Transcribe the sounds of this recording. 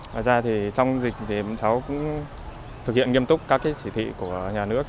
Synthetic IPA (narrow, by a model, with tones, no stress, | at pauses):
ŋa̰ː˧˨˩jzaː˧t̪ʰi˨˩t͡ɕɔ˧wŋ͡mzï˨˩k̚t̪ʰi˨˩ɓa̰˧˨nt͡ɕa˨˦wkʊ̰˧˥ŋ͡m | t̪ʰɨ˨˩k̚hḭ˧˨ənŋi˧əmt̪ʊ˦˥k͡p̚kaː˦˥kːaː˨˦jt͡ɕi˧˩t̪ʰwḭ˧˨ku˧˩əɲaː˨˩nɨ˦˥ək̚